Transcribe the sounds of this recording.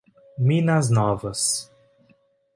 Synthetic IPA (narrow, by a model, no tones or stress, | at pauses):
mĩnɐznɔvɐs